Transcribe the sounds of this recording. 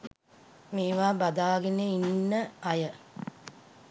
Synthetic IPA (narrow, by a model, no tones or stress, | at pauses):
meːʋaːbad̪aːɡeneinnːəajə